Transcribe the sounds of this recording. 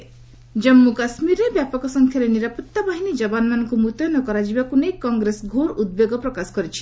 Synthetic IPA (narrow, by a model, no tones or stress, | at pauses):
d͡ʒɔmːukasmiɾebjapɔkɔsɔŋkʰjaɾeniɾapɔt̪ːabaɦinid͡ʒɔbanmanɔŋkumut̪ɔjɔnɔkɔɾad͡ʒibakunekːɔŋɡɾesɡʱoɾud̪̚bjoɡɔpɾɔkasɔ̥kɔɾit͡ʃʰi̥